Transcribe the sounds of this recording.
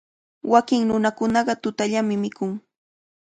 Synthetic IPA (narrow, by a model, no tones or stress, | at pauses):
wakɪŋnʊnakʊnɑɢɑt̪ʊt̪aʎamɪmɪkʊŋ